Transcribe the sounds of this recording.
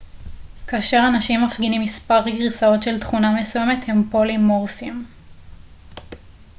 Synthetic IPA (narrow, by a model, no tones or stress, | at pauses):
kaːʃe̞ʁanaʃimːafɡinimːispaʁɡʁisao̞tʃe̞ltχunamesuje̞me̞the̞mpo̞limːoʁfim